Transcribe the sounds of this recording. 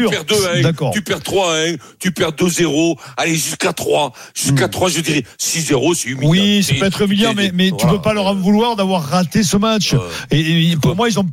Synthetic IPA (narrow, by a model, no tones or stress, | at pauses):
ypɛʁd̪øɛ̃d̪akɔːʁt̪ypɛʁt̪χwaɛ̃ | t̪ypɛʁd̪øzeʁoaleʒyskat̪χwaʒ̥yskat̪χwaʒəd̪iʁɛsizeʁosɛymiwisaøɛt̪χymiljɑ̃mɛmɛt̪ypøpalœʁavulwaʁd̪avwaʁːat̪esəmatt͡ʃ | epuʁmwailzɔ̃